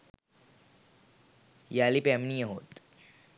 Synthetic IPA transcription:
jaːlipɛmnijɐɦoːt̪

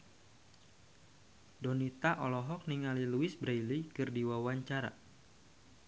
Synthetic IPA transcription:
dɔnit̪aʔɔlɔɦɔk̚niŋaliluɪsbɾajlikɨrdiwawaɲt͡ʃaɾa̰

